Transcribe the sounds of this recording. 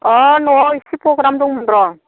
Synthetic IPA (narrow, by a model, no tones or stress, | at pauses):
ɔnɔisipɾoɡɾamd̪uŋmund̪ɾɔ